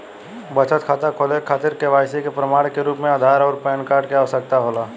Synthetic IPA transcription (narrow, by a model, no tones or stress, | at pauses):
bət͡ʃət̪kʰaːt̪akʰoːlekʰaːt̪ɪɾkeʋaːjsekepɾəmaːɽkeɾuːpmẽaːd̪ʱaːɾɔːɾpɛːnkaːɾɖkeaːʋsək̚t̪aɦoːlaː